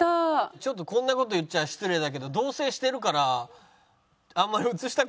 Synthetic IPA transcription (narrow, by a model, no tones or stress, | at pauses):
at͡ɕo̞t̪ːo̞kõ̞nːako̞t̪o̞jɯtt͡ɕːaɕi̥t͡sɨɾe̞d̪ak̬e̞d̪o̞d̪o̞ːse̞ːɕi̥t̪e̞ɾɯ̟kaɾa | ãmːaɾʲiɯt͡sɨɕi̥t̪a